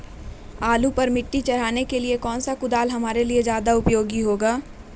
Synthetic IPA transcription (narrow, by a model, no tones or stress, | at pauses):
aːlupɐɾmɪʈːit͡ʃɐɾ̤aːnekeliekɔːnsakʊd̪aːlɦɐmaːɾelied͡ʒjaːd̪aʊpjoːɡiɦoːɡaː